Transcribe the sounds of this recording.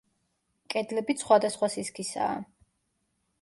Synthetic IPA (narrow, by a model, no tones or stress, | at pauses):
kʼɛd̪lɛbit̪sχwad̪asχwasiskʰisa̰ː